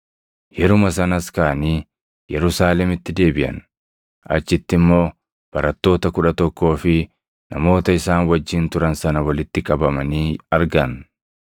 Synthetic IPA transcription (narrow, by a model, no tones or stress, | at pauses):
jɛɾʊmɐsɐnɐskaɐniː | jɛɾʊsaːlɛmɪt̪ːɪd̪e̞ːbɪʔɐ̰n | ɐ̰t͡ʃːɪt̪ːɪmːo̞ː | b̥ɐɾɐt̪ːo̞ːt̪ɐkʊᶑɐt̪ɔkːo̞ːfɪ | nɐmo̞ːt̪ɐɪsaːnwɐd͡ʒːɪːnt̪ʊɾɐnsɐnɐwɐlɪt̪ːɪkʼɐbɐmɐniːɐɾɡɐn